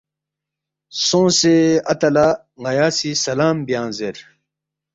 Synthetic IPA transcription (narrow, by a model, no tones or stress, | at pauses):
sõːseɐt̪ɐla | ŋɐjaːsisɐlaːmbijãːnzeɾ